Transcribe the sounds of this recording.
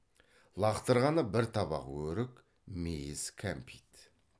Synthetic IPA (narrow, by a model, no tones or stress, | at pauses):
lˠɑqt̪əɾʁɑnəbɪɾt̪ʰɑbɑ̰qwɵɾɪk | mejɪzkʲʰæmpʰit̪